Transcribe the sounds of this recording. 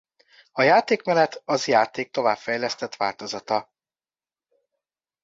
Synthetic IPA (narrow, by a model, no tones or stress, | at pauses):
ɒjaːt̪eːkmɛlɛt̪ʰɒzjaːt̪eːk̚t̪o̞vaːpfɛjlɛst̪ɛt̪ʋaːlt̪o̞zɒt̪ɒ